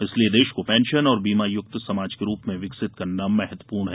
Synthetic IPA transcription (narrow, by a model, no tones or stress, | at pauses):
ɪslied̪eːʃkopɛ̃ːnʃənɔːɾbiːmajʊk̚t̪sɐmaːd͡ʒkeɾuːpmẽʋɪksɪt̪kɐɾnamɛɦət̪wəəpuːɾɳɦɛ